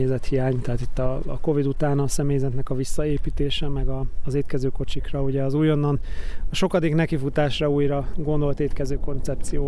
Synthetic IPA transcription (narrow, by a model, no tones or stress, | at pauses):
zɛt̪hijaːɲt̪ɛɦaːt̪it̪ːɒ̰ko̞vid̪ut̪aːnɒsɛmeːjzɛt̪nɛkɒvisːɒeːpit̪eːʃɛmɛɡɒːzeːt̪kɛzøːko̞t͡ʃikrɒuɟɛɒzuːjo̞nːɒnɒʃo̞kɒd̪eːknɛkifut̪aːʃrɒuːjɾɒɡo̞nd̪o̞lt̪eːt̪kɛzøːko̞nt̪sɛp̚t̪sijoː